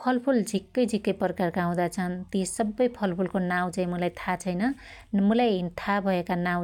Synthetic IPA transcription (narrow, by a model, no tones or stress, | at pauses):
pʰʌlpʰuld͡zʱikːʌjd͡zʱikːʌjpʌrkarkaũd̪at͡sʰʌnt̪isʌbːʌjpʰʌlpʰulkonaw̃d͡zaĩmʌlajt̪ʰat͡sʰʌjnʌ | mulajint̪ʰabʱʌekanaw̃